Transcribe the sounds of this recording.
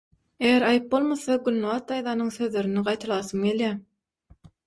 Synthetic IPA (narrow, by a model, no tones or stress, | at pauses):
eɣeɾɑjɯp̚bo̞lˠmoθɑɡynluβɑt̪ːɑjðɑːnɯŋsø̞ðlø̞ɾyniɢɑjt̪ʰɑlˠɑːsɯmɡe̞lʲjæː